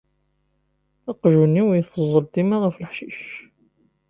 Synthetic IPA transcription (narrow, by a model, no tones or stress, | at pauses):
ɑqʒunːiwjəθfəzˤːəlt̪imæʁəfləħʃiʃ